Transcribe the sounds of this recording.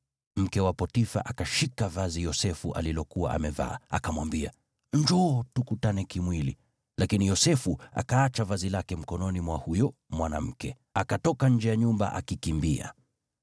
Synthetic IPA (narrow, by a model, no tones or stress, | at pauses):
m̩kɛwapɔtifa̰ʔakaʃikavazijɔsɛfuʔa̰lilɔkuwaʔa̰mɛva̰ːa̰kamwambia | ɲd͡ʒɔtukutanɛkimwilḭ | lakinijɔsɛfua̰kaat͡ʃavazilakɛm̩kɔnɔnimwahujɔ | mwanam̩kɛ | akatɔkaɲ̩d͡ʒɛjaɲumba̰ʔa̰kikimbia̰